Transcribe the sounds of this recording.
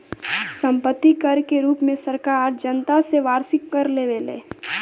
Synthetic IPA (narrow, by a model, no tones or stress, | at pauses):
sə̃mpət̪ːikəɾkeɾuːpmẽsəɾkaːɾd͡ʒənt̪aseʋaːɾsɪkːəɾleːʋeːlḛː